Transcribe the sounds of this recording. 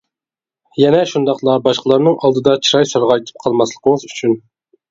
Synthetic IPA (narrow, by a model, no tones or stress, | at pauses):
jɛnɛʃund̪ɑqlˠɑbɑʃqʰəlˠɑɾnɨŋʔɑlˠd̪ɨd̪ɑt͡ʃʰiɾɑjsɑɾʁɑjt̪ʰɨ̥p̚qʰɑlˠmɑslˠəqʰəŋəzyt͡ʃʰyn